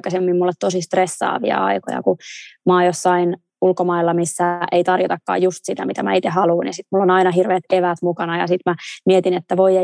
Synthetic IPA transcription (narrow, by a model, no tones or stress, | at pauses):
kːɑsemːimmulːet̪t̪osist̪resːɑ̰ːʋḭɑ̰ɑ̰iko̰jɑ̰kumɑːjosːɑin | ulkomɑilːɑmisːæʔeit̪ɑrjot̪ɑkːɑ̰ːjjust̪sit̪æmit̪æmæ̰it̪eɦɑluːnḭsit̪mulːonɑinɑɦirʋeːt̪eʋæt̪mukɑnɑjɑ̰sit̪mæmiet̪inet̪ːæʋoie